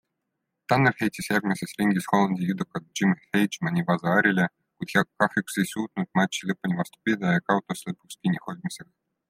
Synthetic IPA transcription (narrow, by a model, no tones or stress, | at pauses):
t̪ɑnːerhejt̪ʲisjærʲmʲisesrʲiŋɡʲisxolˠɑnʲd̪ʲijud̪okːɑd̪̚ʒ̥imhejd͡ʒmɑnʲibɑzɑɾʲilʲe | kud̪̥jɑkːɑxjuksejsʲuːt̪nut̪̚mɑt͡ɕːilɤpːunʲivɑst̪u̥pʲid̪ɑɑkɑwt̪osʲlɤpːukskʲinʲixod̪ʲmiseɡɑ